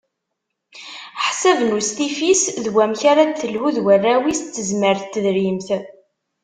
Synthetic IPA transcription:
ħsəvnust̪ifisðwæmçaɾaθəlhuðwərːæwist̪ːəzməɾθt̪ːðɾimθ

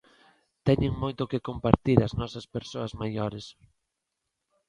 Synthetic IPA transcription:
t̪ɛɲɪŋmojt̪okekompaɾt̪iɾɐznɔsɐspeɾsoɐzmajoɾes

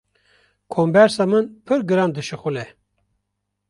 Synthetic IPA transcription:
kʰombɛɾsɑːmɨnpʰɨɾɡɨɾɑːnd̪ɨʃɨxʷulɛ

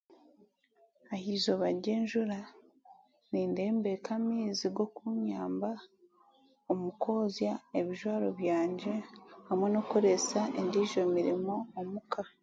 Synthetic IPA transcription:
ahizo̞βaɾɟeːɲʒuɾa | niːnde̞ːmbe̞kʰamiːziɡo̞kuɲaːmba | omuko̞ːzjaeβiʒwaːɾo̞βjaːɲɟe̞hamwe̞no̞koɾe̞saendiʒo̞miɾimo̞ːmukʰa

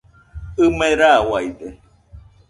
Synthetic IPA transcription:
ɨmeɾawajd̪e

